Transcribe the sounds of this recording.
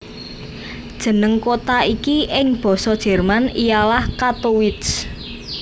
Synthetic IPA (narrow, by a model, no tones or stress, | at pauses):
d̥ʒ̥ə̤nəŋkot̪aikiʔɪŋb̥ɔ̤sɔd̥ʒ̥ɛ̤rmanijalahkat̪owɪt̪s